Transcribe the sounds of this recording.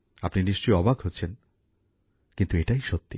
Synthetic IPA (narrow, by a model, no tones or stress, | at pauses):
apniniʃt͡ɕojɔbaɡʱɦotːɕʰen | kint̪ueʈajʃot̪ːi